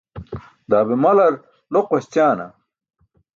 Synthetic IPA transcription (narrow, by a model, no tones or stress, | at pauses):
d̪aːbemɐlɐɾ | loqwɐɕt͡ɕaːnɐ̰